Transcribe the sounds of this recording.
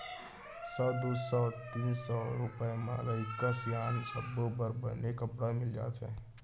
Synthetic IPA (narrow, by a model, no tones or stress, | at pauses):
sɔd̪usɔt̪iːnsɔɾʊpemã̰ɾəɪkːasjaːnsəbobəɾbə̰nekəpɽamɪld͡ʒa̰ːtʰɛ̰ː